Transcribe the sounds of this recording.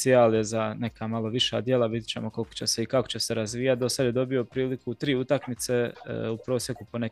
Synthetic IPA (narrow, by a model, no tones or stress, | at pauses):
siaːlje̞zane̞kamalo̞ʋiʃa̰ːd̪jelabit̪ʲi̥t͡ɕe̞̰mo̞ko̞lko̥t͡ɕe̞se̞ikako̞̥t͡ɕe̞se̞ɾazʋiːjat̪̚d̪o̞sad̪je̞d̪o̞biopɾiːlikut̪ɾiːut̪akmit̪se̞upɾo̞ːsje̞kupo̞ne